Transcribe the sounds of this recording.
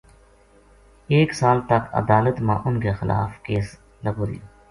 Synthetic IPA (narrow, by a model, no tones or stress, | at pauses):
eːksaːlt̪ɐkɐ̰d̪aːlət̪mã̰ːʔʊnkexɪla̰ːfkeːs | ləboːɾḭ